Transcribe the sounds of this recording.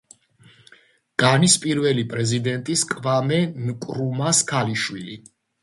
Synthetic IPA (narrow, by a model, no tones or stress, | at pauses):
ɡ̥anispʼiɾvɛlipʼɾɛzid̪ɛnt̪ʼiskʼvamɛnkʼɾumaskʰaliʃwili